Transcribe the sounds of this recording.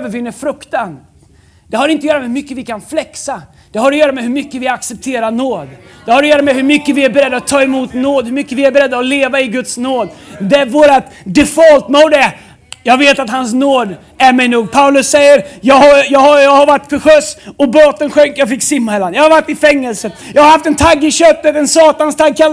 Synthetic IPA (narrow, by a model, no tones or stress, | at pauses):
vəɾvɪnːəɾfɾɵkt̪an | d̪̥ɛhaɾɪnt̪əjœːɾamɛhmʏkːəvɪkʰanflɛksa | d̪̥ɛɦhaɾɔjœːɾamɛɦɵɾmʏkːəvɪaksɛp̚t̪ʰeːɾanoːd̪d̪̥ɛhaɾɔjœːɾamɛɦɵɾmʏkːəvɪæɾbɛɾɛd̪ːaat̪ʰːɑːɛmuːt̪noːd̪hɵɾmʏkːəvɪæɾbɛɾɛd̪ːaɔleːvaɪɡɵt̪snoːd̪d̪ɛvoːɾat̪d̪ɛfɔlt̪moːd̪ɛ | jɑːɡveːt̪at̪ɦansnoːd̪ | æɾmɛjnuːɡ̚pʰaʊlɵsːɛjːəɾjɑːɡhaɾjɑːɡhajɑːɡhaɾvaʈːfɔɧœsɔboːt̪ənɧœŋkjɑːɡfɪkːsɪmːahɛlːand̪jɑːhaɾvaʈːɪfɛŋːəlsəjɑɡhaɾhaft̪ɛnt̪ʰaɡːɪɕœt̪ːət̪ɛnsɑːt̪anst̪ʰaɡ̚kʰalː